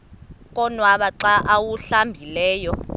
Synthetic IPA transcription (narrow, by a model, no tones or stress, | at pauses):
k̬ʼɔnwaɓaǀaʔawuɬambʱilɛːjɔ